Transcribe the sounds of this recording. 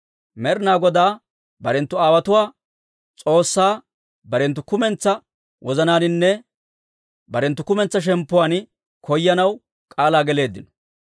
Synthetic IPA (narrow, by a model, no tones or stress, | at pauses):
mɛɾɪnaːɡɔd̪aː | bɐɾɛnt̪ːʊaːwɐt̪ʊwaː | t͡sʼo̞ːsːaː | bɐɾɛnt̪̬ːʊkʊmɛnt͡sːɐ | wʔɔzɐnaːnɪnːɛ | bɐɾɛnt̪ːʊkʊmɛnt͡sːɐʃ̬ɛmpːʊwaːn | kʰɔjːɐnɐw | kʼaːlaːɡɛle̞ːd̪ːɪnɔ̥